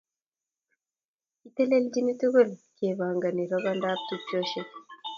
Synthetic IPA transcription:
ite˦le˦lɟi˦ni˦ti˦ɣe˦nceː˨βaː˨ŋɡa˨ni˨ɾaβanda˦b̚t̪uɟoʃe

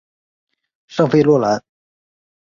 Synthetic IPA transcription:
ʂɤ˥˧ŋfe˥˧lwɔ˥˩la˧˥

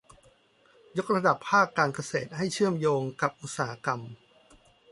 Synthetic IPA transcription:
jo˦˥k̚ɾa˧da˨˩pʰːaː˥˩kːaː˧nka˧seː˨˩t̪̚ha˥˩jt͡ɕʰɯ˥˩əmjoː˧ŋka˨˩p̚ʔu˨˩t̪̚saː˩˦a˦˥ka˧m

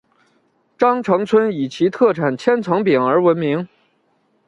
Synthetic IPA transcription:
ʈ͡ʂɑ˥ŋʈ͡ʂʰɤ˧˥ŋt͡sʰwə˥ni˨˩t͡ɕʰi˧˥t̪ʰɤ˥˩ʈ͡ʂʰa˨˩nt͡ɕʰjɛ˥nt͡sʰɤ˧˥ŋpi˨˩ŋə˞˧˥wə˧˥nmi˧˥ŋ

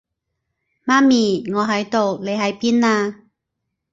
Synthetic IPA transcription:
maː˦˥mi˨˩ŋɔː˨˧˦ɦa˨˦jt̪o˨˩wle˨˧˦jha˨˦jpi˧˥naː˧

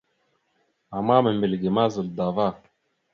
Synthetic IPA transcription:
a˨maː˦mə˨mɪ˨lɡe˨maː˦zə˨ld̪aː˨vaː˦

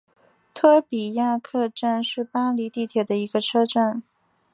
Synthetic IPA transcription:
t̪ʰɤ˥pi˨˩ja˥˧kʰɤ˥˧ʈ͡ʂa˥˧nʂɻ̩˥˩pa˥li˧˥t̪i˥˩t̪ʰjɛ˨˩d̪ə˦i˧˥ɡə˧ʈ͡ʂʰɤ˥ʈ͡ʂa˥˩n

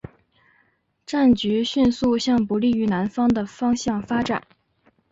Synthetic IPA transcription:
ʈ͡ʂa˥˩nt͡ɕy˧˥ɕy˥˧nsu˥˧ɕjɑ˥˩ŋpu˧˥li˥˩y˧˥na˧˥nfɑ˥ŋd̪ə˨fɑ˥ŋɕjɑ˥˩ŋfa˥ʈ͡ʂa̰˨˩˦n

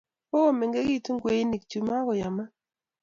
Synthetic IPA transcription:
o˦o˦me˨ŋɡe˦ɡi˦˨tu˦ŋɡwe˨i˦ni˨k̚t͡ʃu˨ma˦ɣɔ˨ja˨ma˦

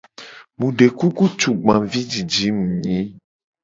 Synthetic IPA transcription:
mũ˨ɖe˨ku˦ku˦t͡ʃu˨ɡ͡bã˨vi˦d͡ʒi˨d͡ʒi˨˦mũ˨ɲĩ˦

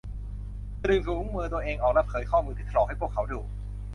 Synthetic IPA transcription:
ɾɯ˧ŋsuː˧˦u˦˥ŋmɯ˧t̪u˧əʔeː˧ŋʔɔː˨˩k̚la˦˥pʰɤː˩˦jkʰɔː˥˩muː˧nt̪ʰiː˥˩˧lɔː˧˩ha˥˩jpʰu˥˩kʰːa˦wduː˧

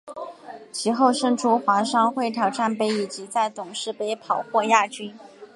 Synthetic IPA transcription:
t͡ɕʰi˧˥xo˥˧ʊʂɤ˥˧ŋʈ͡ʂʰu˥xwa˧˥ʂɑ˥ŋxwe˥˩ɪt̪ʰjɑ˨˩ʊʈ͡ʂa˥˩npe˧˥ɪi˨˩t͡ɕi˧˥t͡sa˥˩ɪt̪ʊ˨˩ŋʂɻ̩˥˧pe˥˩ɪpʰɑ˨˩ʊxwɔ˥˧ja˥˩t͡ɕy˥n

